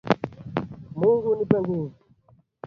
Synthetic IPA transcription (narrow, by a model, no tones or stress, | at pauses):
muŋɡunipaŋɡi